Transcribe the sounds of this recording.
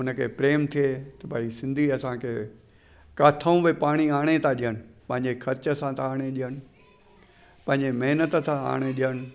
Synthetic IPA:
ʊnə̆kʰḛːpɾeːmt̪ʰiet̪ɐbʱaːisɪ̃nd̪ʱiɐsãkʰeː | kaːt̪ʰaũʋepaːɽ̃iaːɽ̃et̪ʰãɗiəñɪ̆pɐ̃ɦɪ̃ɲd͡ʑexʰɐɾt͡ɕəsãt̪ʰaaːɽ̃eɗijəɽ̃ɪ̆ | pɐ̃ɦɪ̃ɲd͡ʑemɐɦnət̪ə̆t̪ʰãa̰ːɽ̃eɗijəɽ̃ɪ̆

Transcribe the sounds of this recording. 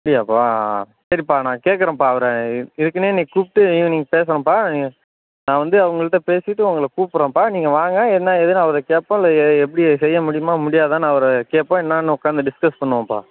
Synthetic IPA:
mɐɽɪjaːpaː | sɐɾipaːnãːkeːʈkːɐɾɐ̃ːpaːɐʋɐɾɛɪðɯkːɐneːnĩːkuːpɪʈːɯ̃niːŋɡɐpeːsɐɾɐ̃paːi | nãːʋɐnd̪ɯɐʋɐŋɡɐɭɯʈːɐ̃peːsɪʈːɯʊŋɡɐɭkuːpːɯɾõːpaːniːŋɡɐʋaːŋɡãːɛðnːãːɛðɯnaɐʋɐɾɐkeːʈpːõːlɐɛp̬ːɐɽɪsɛjːɐmʊɽɪjɯmaːmʊɽɪjaːððt̪ãːnːɐʋɐɾɐkeːʈpːõːɛnːaːnɯɔkːaːnd̪ɐɖɪskɐspɐɳːɯʋõːpa̰ː

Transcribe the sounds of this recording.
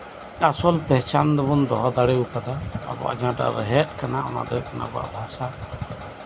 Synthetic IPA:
asɔlpɛɦt͡ʃand̪ɔbɔnd̪ɔɦɔd̪aɽeukad̪a̰ːbɔ̰a̰d͡ʒãʈa̰ɾɛɦɛt̪̚kanaɔna̰d̪ɔkana̰bɔa̰ʔbʱasa

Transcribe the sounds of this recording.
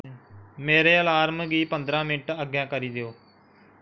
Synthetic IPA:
meːɾeːəlaːɾmɡiːpənd̪ɾãːmɪnʈəɡjãːkəɾiːd̪ejoː

